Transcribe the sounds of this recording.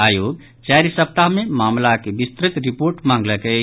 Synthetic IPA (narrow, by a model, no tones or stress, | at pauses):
ajoɡ | t͡ʃaɾsəp̚t̪aɦmemamlakebist̪ɾit̪ɾipoɾʈmãŋɡləkɛ